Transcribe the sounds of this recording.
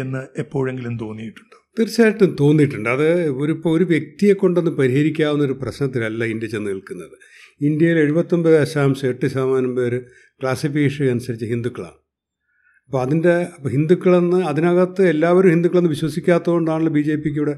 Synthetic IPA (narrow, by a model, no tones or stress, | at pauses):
enːɨepːo̞ːɻe̞ŋɡilumt̪̬o̞ːnːijiʈːu̥ɳɖɨ̥t̪eɾit͡ɕːaːɾɐʈːɨt̪o̞ːnːijiʈːuɳɖɨɐðɨoɾupːɐoɾuʋje̞k̚t̪ijekːo̞ɳɖenːɨpɐɾiɦɐɾikʲːaːʋunːɐo̞ɾuprɐɕnɐt̪ːilɐlːɐind̪ʲjɐt͡ɕːenːɨiɭkunːɐðɨ | ind̪jɐjile̞ɻubɐt̪ːo̞mbɨeɐɕaːmsɐeʈːɨsaːmaːnɐmpeːɾɨ | kɭaːsifikeːʂɐnusɐɾit͡ɕːɐɦind̪ukːɐɭa̰ɳ | ɐpːoːɐðinde̞ɐɦind̪ukːɐɭenːɨɐðinɐɣɐt̪ːɨelːaːʋɐɾumhind̪ukːɐɭenːɨʋiɕwɐsikʲːaːt̪ːɐoɳɖaːɳuɭːɐbiːd͡ʑe̞ːpːik̬ʲːiuːɽe